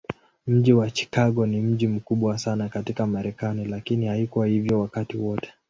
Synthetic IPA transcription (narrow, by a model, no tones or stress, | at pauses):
m̩ʄiwat͡ʃi̥kaɠɔnim̩ʄim̩kuɓwasanakatikamaɾɛkanilakinihaikuwahivjɔwakatiwɔtɛ̥